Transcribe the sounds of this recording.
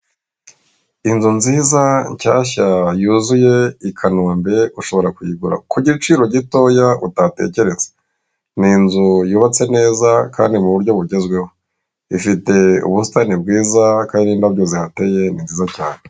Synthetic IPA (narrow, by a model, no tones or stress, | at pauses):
inzunziːzaɲcaːçajuzuje̞ikʰanoːmbe̞uʃo̞βo̞ɾakujiɡuɾa̰kuɟiɾit͡ʃiːɾo̞ɟito̞jautate̞̰ːce̞ɾe̞zḁ | ninzujuːβat͡se̞ne̞ːzaka̰ːndimuβuɾɟo̞βuɟe̞zɡwe̞ho | ifite̞ṵβustanibɡiːzakaːndinabɟo̞zihateje̞ninziːzacaːne